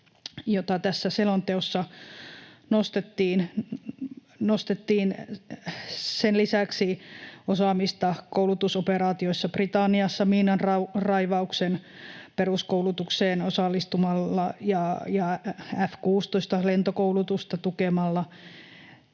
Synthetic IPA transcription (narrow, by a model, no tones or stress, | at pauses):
jot̪ɑt̪æsːæselont̪eosːɑ | nost̪et̪ːiːn | nost̪et̪ːiːn | senlisæksiosɑmist̪ɑkoulut̪usopeɾɑːt̪ioisːɑb̥rit̪ɑnːiɑsːɑmiːnɑnrɑurɑiʋɑuksen | peruskouwlut̪ukseːnosɑlːist̪umɑlːɑjɑjɑæfkuːst̪oist̪ɑlent̪okoulut̪ust̪ɑt̪ukemɑlːɑ